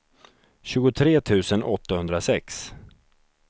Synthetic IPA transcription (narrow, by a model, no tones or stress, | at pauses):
ɕʉ̟ːɡʊt̪ʰɾeːt̪ʰʉ̟ːsənɔt̪ːahɵnd̪ɾasɛks